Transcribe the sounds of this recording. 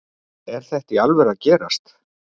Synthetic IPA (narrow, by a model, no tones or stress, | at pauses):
ɛɾ̥θɛht̪ialvɛɾaðcɛːɾast̪